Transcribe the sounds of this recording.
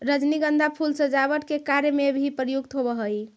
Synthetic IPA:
ɾəd͡ʒniɡənd̪ʱapʰulsə̃d͡ʒabəʈkekaɾjəmebʱipɾəjuk̚t̪ɦobəɦəj

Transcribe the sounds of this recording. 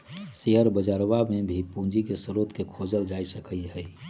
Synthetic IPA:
seɦəɾbəd͡ʒaːɾʋamẽbʱipũːd͡ʒikesʊɾoːt̪kekʰoːd͡ʒəld͡ʒaːisəkiɦɛː

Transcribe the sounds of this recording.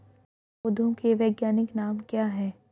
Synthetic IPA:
ʊd̪ʱõkeʋeːɡjaːnɪknaːmkjaːɦɛː

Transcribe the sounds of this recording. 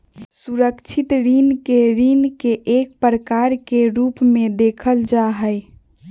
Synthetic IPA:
suɾəkt͡ʃʰit̪ɾinkeɾinkeʔek̚pɾəkaɾkeɾupmẽd̪ekʰəld͡ʒaɦəj

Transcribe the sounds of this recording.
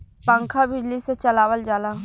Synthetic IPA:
pə̃ŋkʰabɪd͡ʒliset͡ʃɐlaːwəld͡ʒaːla

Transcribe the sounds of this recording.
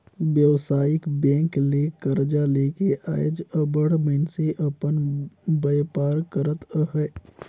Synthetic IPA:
ʋjəwsaːjɪkbɛ̃ːŋkleːkəɾd͡ʒaleːkeʔaːjd͡ʒəbəɽmənseʔəpənbəjpaːɾkəɾət̪əɦɛː

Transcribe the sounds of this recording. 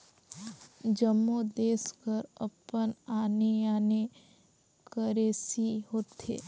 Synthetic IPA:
d͡ʒəmːud̪eːskəɾə̰pənaːnejaːne | kəɾeːsiɦoːt̪ḛː

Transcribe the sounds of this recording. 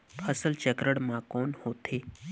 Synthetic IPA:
pʰəsəlt͡ʃəkɾəɽmãkoːnhoːt̪ʰeː

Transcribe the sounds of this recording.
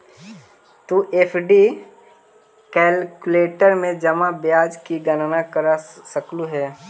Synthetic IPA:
t̪uʔeːpʰɖi | kɛːlkʊleːʈəɾmẽd͡ʒəmabjaːd͡ʒkiɡənnakəɾasəkluɦɛː

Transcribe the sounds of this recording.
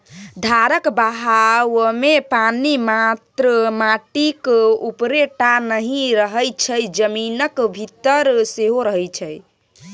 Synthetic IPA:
d̪ʱaɾəkbəɦawmepanimat̪ɾəmaʈikupɾeʈanəɦĩɾəɦəjt͡ʃʰəjd͡ʒəminəkbʱit̪ːəɾseɦoɾəɦəjt͡ʃʰəj

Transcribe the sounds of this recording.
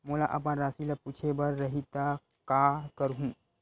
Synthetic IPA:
moːlaʔɐp̬ãɾaːsilepuːt͡ʃʰebɐɾːɐɦit̪a | kakəɾɦũː

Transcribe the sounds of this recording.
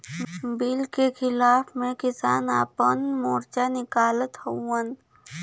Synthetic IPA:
bɪlkexɪlaːfmẽkɪsaːnaːpənmoːɾt͡ʃanɪkaːlət̪houən

